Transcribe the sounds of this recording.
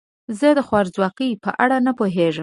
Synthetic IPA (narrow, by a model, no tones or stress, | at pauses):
zəd̪əxwɑɾzwɑqipə̰ʔaɽanapoɦeʐəm